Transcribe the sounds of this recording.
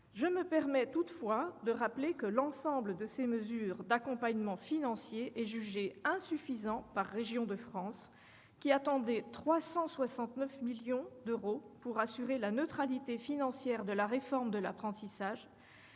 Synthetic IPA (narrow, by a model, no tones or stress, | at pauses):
ʒəməpɛʁmɛt̪ut̪fwad̪əʁaplekəlɑ̃sɑ̃bləd̪əseməzyːʁd̪akɔ̃paɲmɑ̃finɑ̃sjeʔɛʒyʒeɛ̃syfizɑ̃paʁːeʒjɔ̃d̪əfχɑ̃s | kʲiat̪ɑ̃d̪ɛt̪χwasɑ̃swasɑ̃t̪nœfmiljɔ̃d̪øʁopuʁasyʁelanøt̪χalit̪efinɑ̃sjɛʁd̪əlaʁefɔʁmd̪əlapχɑ̃t̪isaʒ